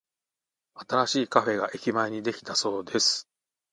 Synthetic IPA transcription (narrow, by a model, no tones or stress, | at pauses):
at̪aɾaɕiːkaɸe̞ɡaʔe̞kʲimaeɲ̟id̪e̞kʲi̥t̪aso̞ːd̪e̞sɨ̥